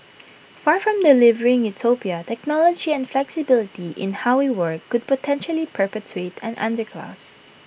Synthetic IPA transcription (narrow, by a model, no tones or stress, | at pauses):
faɹfɹɔ̃mdɪlɪvəɹɪ̃ŋjʊtʰopiətɛk̚nɔlɔd͡ʒiɛ̃nflɛksɪbɪlɪtiʔɪ̰̃nhaʊɪwɜɹkʰːʊd̚pɔtʰɛ̃nʃəlipʰə˞pɛtʰɹetʰɛ̃nʔã̰ndə˞kʰla̰s